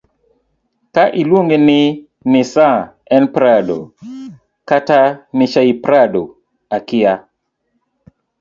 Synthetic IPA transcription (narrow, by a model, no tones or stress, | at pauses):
kaʔilwoŋɡenɪ | nɪsa | ɛnpɾado̰ | katanɪt͡ʃaipɾado | akɪa